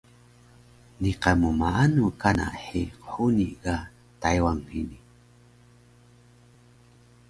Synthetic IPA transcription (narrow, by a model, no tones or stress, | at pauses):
niqamumaanukana̰ʔħiqħuniɡa | tajwaŋhini